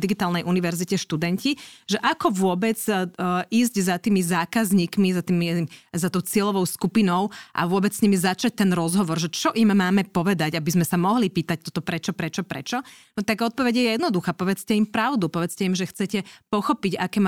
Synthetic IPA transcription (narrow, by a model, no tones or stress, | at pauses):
diɡit̪aːlnɛjʔuniʋɛɾzicɛʃt̪ud̪ɛɲciʒɛʔakɔʋʊɔbɛd͡z | iːzɟzat̪iːmizaːkazɲiːkmizat̪imizat̪ɔʊt͡sɪɛlɔʋɔʊskupinɔʊʔa̰ʋʊɔbɛt͡ssɲimizat͡ʃac̚t̪ɛnɾɔzɦɔʋɔɾʒɛt͡ʃɔʔimːaːmɛpɔʋɛd̪aɟabizmɛsamɔɦlipiːt̪ac̚t̪ɔt̪ɔpɾɛt͡ʃɔpɾɛt͡ʃɔpɾɛ̰t͡ʃɔnɔt̪aɡɔt̪̚pɔʋɛɟɛjɛjɛd̪nɔd̪uxaːpɔʋɛt͡scɛimpɾaʊd̪upɔʋɛt͡scɛimʒɛxt͡sɛcɛpɔxɔpiɟakɛːm